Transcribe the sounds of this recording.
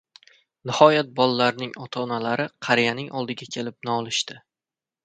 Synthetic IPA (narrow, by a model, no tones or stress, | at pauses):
nɪhɒjat̪̚bɒlˠalaɾnɪŋɒt̪ʰɒnalaɾɪqʰɑɾijanɪŋʔɒlˠd̪ɪɡʲakʲʰe̞lɪp̚naɒlˠɪʃt̪ɪ